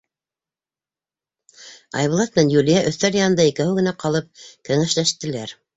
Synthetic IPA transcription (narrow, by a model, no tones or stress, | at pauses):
ɑ̰jβɤ̆lˠɑt̪̚mɘ̆nænjulʲijæʔɵ̆θːæljɑnɤ̆nd̪ɑikæhɘɡɘ̆næqɑlˠɤp̚kɘ̆ŋɘʃlæʃt̪ɘ̆læɾ